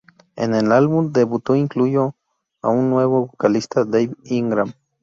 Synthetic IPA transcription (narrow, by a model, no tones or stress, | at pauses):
ḛnelalβund̪eβut̪oiŋklujo | a̰unːweβoβokalist̪ad̪ejiŋɡɾam